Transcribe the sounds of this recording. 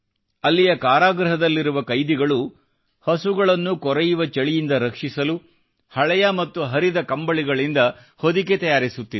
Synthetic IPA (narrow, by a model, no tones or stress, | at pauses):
ɐlːijɐkaːɾaːɡɾɐɦɐd̪ɐlːiɾuʋɐkɐjd̪iɡɐɭu | hɐsuɡɐɭɐnːukɔɾɛjuʋɐt͡ʃɐɭijind̪ɐɾɐkʂisɐlu | hɐɭɛjɐmɐt̪ːuɦɐɾid̪ɐkɐmbɐɭiɡɐɭind̪ɐ | hod̪iket̪ɐjaːɾisut̪ːi